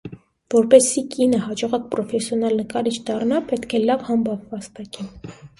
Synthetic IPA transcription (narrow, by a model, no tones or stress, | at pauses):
vɔɾpɛsikinəhɑd͡ʒɔʁɑk̚pɾɔfɛsjɔnɑlnəkɑɾit͡ʃʰd̪ɑrnɑpɛt̪kʰɛlɑvhɑmbɑvvɑst̪ɑkin